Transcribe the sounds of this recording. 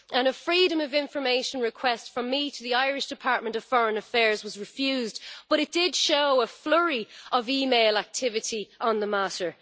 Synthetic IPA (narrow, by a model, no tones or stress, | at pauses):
ʔə̃nəfɹiːɾə̃məvɪ̃ɱfə˞meɪʃə̃nɹɪkʰw̥ɛstfɹə̃mːitʰəðiaɪɹɪʃd̥ɪpʰaɹt̚mə̃ntəv̥fɔɹə̃nəfɛːɹzwɒzɹɪfjʉːzb̥ʌɾɪt̚d̥ɪdʃoʊəflʊɹiʔəviːmeɪlak̚tʰɪvɪɾiʔə̃nðəmaɾə˞